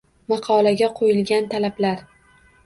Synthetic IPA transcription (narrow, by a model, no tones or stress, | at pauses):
mɑqʰɒlˠaɡʲaqʰojɪlɡʲant̪ʰalablaɾ